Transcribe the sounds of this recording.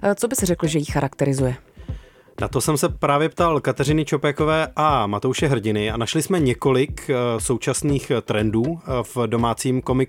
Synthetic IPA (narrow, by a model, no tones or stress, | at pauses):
t͡sobɪsɛrɛkl̩ʒɛjixaɾʔakt̪ɛɾɪzujɛ | na̰t̪o̞sɛmsɛpɾaːvjɛpt̪alkat̪ɛrɪnɪt͡ʃo̞pɛko̞vɛːʔamat̪owʃɛɦr̩ɟɪnɪanaʃlɪsmɛɲɛko̞lɪkso̞wt͡ʃasniːxt̪ɾɛnduːvdo̞maːt͡siːmko̞mɪk